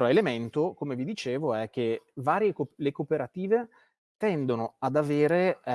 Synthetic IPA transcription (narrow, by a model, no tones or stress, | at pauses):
ɔelement̪okomevid̪it͡ʃeːvoɛk̟ːevaːɾjekolekopeɾat̪iːve | t̪ɛnd̪onoad̪aveːɾe